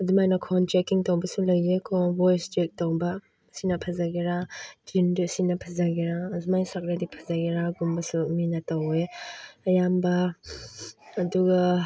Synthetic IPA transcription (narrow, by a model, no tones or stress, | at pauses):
ɐdumajnɐkʰɔntɾekiŋtowbɐsulɐjekʰɔbojstek̚towbɐ | sinɐpʰazaɡiɾad͡ʒindisinɐpʰɐzaɡiɾazumajsak̚ɾadipʰɐzaɡiɾaɡumbɐsuminɐtɐweɐjambɐ | duɡɐ